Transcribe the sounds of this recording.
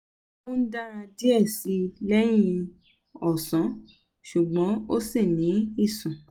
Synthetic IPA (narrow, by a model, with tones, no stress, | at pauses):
ũ˦n̩˦dã˦ã˧di˦ɛ˦˨si˧lɛ˦j̃ĩ˧ | ɔ˨sɔ̃˨˦ | ʃu˨ɡ͡bɔ̃˨˦o˦si˦˨nĩ˨˦i˦˨sũ˨